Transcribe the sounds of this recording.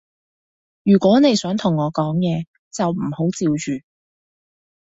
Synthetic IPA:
jyː˨˩kʷwɔː˨˥ne˨˧jsœː˨˥ŋt̪ʰʊ˨˩ŋɔː˨˧kɔː˨˥ŋjɛː˨˧ | t͡sɐ˨wm̩˨˩ho˨˥wt͡siː˧wt͡ʃyː˨

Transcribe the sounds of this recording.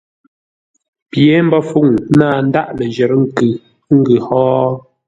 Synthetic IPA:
pjɛ˨˦m̩˦bɔ˦fu˦˨ŋ˦naː˦˨n̩˦da˦˨ʔlə˨n˨d͡ʒɛ˨ɾŋ̩˨kʉ˨˦ | ŋ̩˦ɡʉ˨hɔː˦

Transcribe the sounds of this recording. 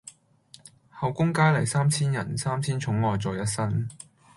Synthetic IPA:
hɐ˨wkʊ˥ŋkaː˥lɐ˨˩jsaː˥mt͡sʰiː˥njɐ˨˩nsaː˥mt͡sʰiː˥nt͡ʃʰʊ˨˥ŋlɔː˨jt͡sɔː˨jɐ˥t̚sɐ˥n

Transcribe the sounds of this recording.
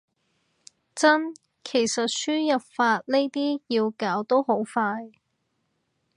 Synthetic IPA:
t͡sɐ˥n | kʰe˨˩jsɐ˨t̚syː˥jɐ˨p̚faː˧t̚ne˥jt̪iː˥jiː˧wkaː˨˥wt̪o˥who˨˥wfaː˧j

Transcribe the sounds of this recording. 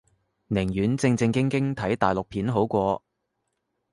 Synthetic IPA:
nɪ˨˩ŋjyː˨˥nt͡sɪ˧ŋt͡sɪ˧ŋkɪ˥ŋkɪ˥ŋt̪ʰɐ˨˥jt̪aː˨˩jlʊ˨k̚pʰiː˨˥nɦo˨˥wkʷɔː˧

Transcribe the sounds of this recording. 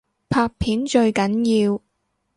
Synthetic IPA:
pʰaː˧k̚pʰiː˨˥nt͡ʃɵ˧ɥkɐ˨˥njiː˧w

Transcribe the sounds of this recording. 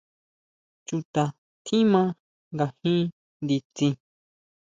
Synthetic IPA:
t͡ʃu˧t̪a˧ | t̪ʰĩ˦mã˦ | ŋɡa˨hĩ˦ | nd̪i˧t͡sĩ˧

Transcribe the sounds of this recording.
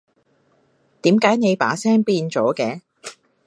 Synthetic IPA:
t̪iː˨˥mkaː˨˥jne˨˧jpa̰ː˨˥sɛː˥ŋpiː˧nt͡ʃɔː˨˥kɛː˧

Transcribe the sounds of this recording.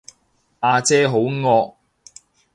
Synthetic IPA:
aː˧t͡sɛː˥ɦo˨˥wŋɔː˧k̚

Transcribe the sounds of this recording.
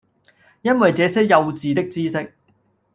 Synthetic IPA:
jɐ˥nwɐ˨jt͡sɛː˨˧sɛː˥jɐ˧wt͡siː˨t̪ɪ˥k̚t͡siː˥sɪ˥k̚

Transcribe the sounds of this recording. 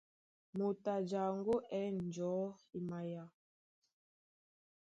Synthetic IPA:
mo˨ta˨d͡ʒa˨ŋɡo˦ʔɛ˦n˨d͡ʒɔ˨˦i˨ma˨ja˨˦

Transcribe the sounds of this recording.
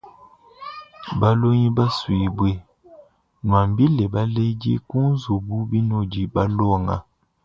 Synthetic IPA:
ba˦lo˦ɲi˦ba˦swi˨bwe˦ | nwa˨m˨bi˦le˨ba˦le˦d͡ʒḛ˦ku˦n˦zu˨bu˦bi˦no˦˨d͡ʒi˨ba˦lɔ˦˨ŋa̰˨

